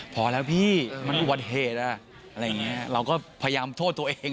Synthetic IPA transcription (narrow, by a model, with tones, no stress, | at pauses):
pʰɔː˨˩˦lɛː˦˥wpʰiː˥˩ma˧nʔu˨˩ba˨˩t̪̚ɦeː˨˩t̪̚ʔa˧˩ | ʔa˧ɾa˧jːa˨˩ŋːi˦˥ɐɾa˧wkɔː˥˩pʰa˧ja˧jaː˧mt̪ʰoː˥˩t̪ːu˧ɐʔeː˧ŋ